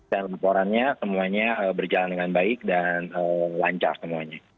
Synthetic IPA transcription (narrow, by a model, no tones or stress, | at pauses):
danlapoɾanɲasəmuaɲaʔəːbərd͡ʒalandəŋanbaɪk̚danəːlaɲt͡ʃa̰rsəmuaɲa